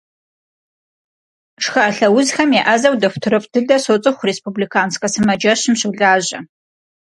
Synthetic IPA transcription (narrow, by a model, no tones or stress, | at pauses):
ʂxaɬɐwʊzxɐmjɛʔɐzɐwdɐxʷtʰɨɾɨpʼdʰɨdɐsot͡sʼɨxʷrespublikʰaːnskʼɐsɨmɐd͡ʒɐɕɪmɕɨwɮaːʑɐ